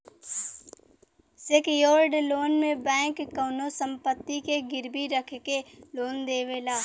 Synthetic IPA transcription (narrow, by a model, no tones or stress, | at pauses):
sekjoːɾɖloːnmẽbɛ̃ːkːəːnosə̃mpət̪ːikeɡɪɾbiɾəkʰkeloːnd̪eːʋelaː